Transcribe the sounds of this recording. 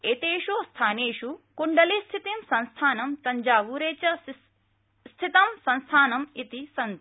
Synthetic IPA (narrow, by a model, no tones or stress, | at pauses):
eːt̪eːʂoːst̪ʰaːneːʂukuɳɖɐlist̪ʰit̪imsɐnst̪ʰaːnɐmt̪ɐɲd͡ʒaːʋuːɾeːt͡ʃɐ | st̪ʰit̪ɐmsɐ̃nst̪ʰaːnɐmit̪isɐn